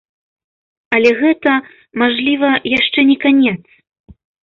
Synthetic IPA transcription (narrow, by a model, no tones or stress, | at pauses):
ɐlʲɛɣɛt̪ɐ | maʐlʲivɐjaʂt͡ʂɛnʲɛkanʲɛt̪s